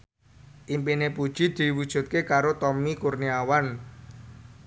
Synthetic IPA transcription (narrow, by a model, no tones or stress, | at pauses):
ʔimpinepud̥ʒ̥i̤d̪̥i̤wud̥ʒ̥ṳt̪̚kekaɾot̪ɔmikurniawan